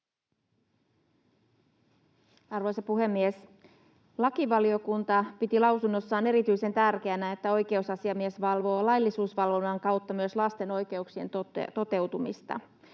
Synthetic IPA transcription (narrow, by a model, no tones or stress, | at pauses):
ɑrʋo̞jsɑpuɦe̞mːies | lɑkiʋɑliokunt̪ɑpit̪ilɑwsunːo̞sːɑːne̞ɾit̪yjse̞nt̪ærkeænæet̪ːæo̞jke̞usɑsiɑmiesʋɑlʋo̞ːlɑjlːisuːsʋɑlʋo̞nːɑŋkɑwt̪ːɑmyøslɑst̪e̞no̞jk̟e̞uksie̞̰nt̪o̰t̪o̞t̪e̞wt̪umist̪ɑ̰